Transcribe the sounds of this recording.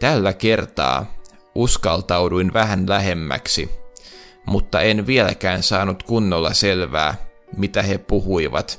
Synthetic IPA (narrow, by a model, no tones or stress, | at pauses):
t̪ælːæke̞rt̪ɑ̰ː | ʔuskɑlt̪ɑwduinʋæhænlæɦe̞mːæ̰ksi | mut̪ːɑenʋielæ̰kæːnsɑːnut̪kunːolːɑ̰selʋæ̰ː | mit̪æhepuhuiʋɑ̰t̪